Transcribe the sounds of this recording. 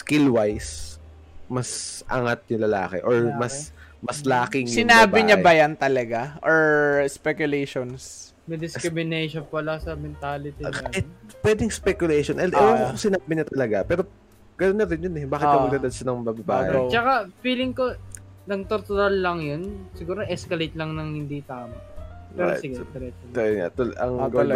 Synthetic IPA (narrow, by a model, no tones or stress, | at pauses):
skɪlwajs | mɐsʔɐ̰ŋat̪̚ɲʊŋlɐla̰ːkɛ̰ʔoɹmɐsmɐslaːkɪŋsɪnaːbɪɲabɐjant̪ɐlɐɡaʔoɹspɛkjʊlejʃons | mɛd̪ɪskɾɪmɪnejʃonpɐlasɐmɛnt̪aːlɪt̪iɛpwɛːd̪ɪŋspɛkjʊlejʃonʔɛlɐwaokosɪnabɪɲɐt̪ɐlɐɡapɛːɾo̞ | ɡ̥ɐnonːɐɾɪnjonɛbaːkɪt̪ːɐɐɡ̚d̪ad̪ɐd̪ʃɐnɐŋmɐbɐba̰ːʔɛt͡ʃɐkafiːlɪŋko | nɐŋt̪oɾt̪ʊɾalːɐŋjonsɪɡuːɾoʔɛskɐlejt̪̚lɐŋnɐŋhɪnd̪it̪aːmɐɛːaɾ̰jɪɡɛɛɾɛt̪ːoɐa̰t̪olʔɐ̰ŋɡ